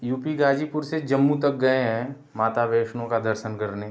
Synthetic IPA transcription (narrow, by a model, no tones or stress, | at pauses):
juːpiɡaːd͡ʒipʊɾsed͡ʒɐmːut̪ɐk̚ɡɐeɦɛ̃ | maːt̪aʋeːʃñõkad̪ɐɾʃənkɐɾne